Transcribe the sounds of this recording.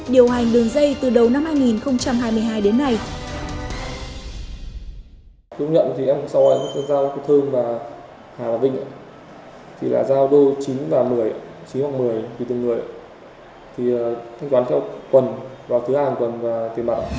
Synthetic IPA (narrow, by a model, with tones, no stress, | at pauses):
ɗi˨˩əwɦa˨˩jŋ̟ɗɨ˨˩əŋzə˧jt̪ɨ˨˩ɗə˨˩wna˧mhaː˧jŋi˨˩nxə˧wŋ͡mt͡ɕa˧mɦaː˧jmɨ˧˩əjɦaː˧jɗe˨˦nːa˧˩j | tu˧ɲə̰˧˨nt̪ʰi˨˩ʔɛ˧m˨˩sa˧wʔəː˧˩ma˦˥˧zaː˧waː˧˩kːt̪ʰə˧ŋvaː˨˩ | haː˨˩laː˨˩vḭ̈˧˨ŋʔa˧˨ | t̪ʰi˨˩la̰ː˧˩zaː˧wɗo˧t͡ɕi˨˦nvaː˨˩mɨ˨˩əjt͡ɕi˨˦nhwaː˨˩ŋ̚mɨ˨˩əjt̪ʰi˨˩t̪ɨ˨˩ŋɨ˨˧˩əja˨ | t̪ʰi˨˩əː˨˩t̪ʰa˧jŋ̟t̪waː˨˦nt̪ʰɛ˧wkwə˨˩nvaː˨˩t̪ʰɨ˨˦haː˨˩nkwə˨˩nvaː˨˩t̪i˨˩mɓa̰˧˨ʔ